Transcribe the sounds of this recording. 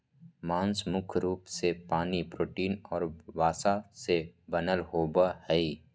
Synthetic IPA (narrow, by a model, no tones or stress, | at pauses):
mãːnsmʊkʰɾuːpsepaːnipɾoːʈiːnɔːɾʋaːsasebənəlɦoːbahɛi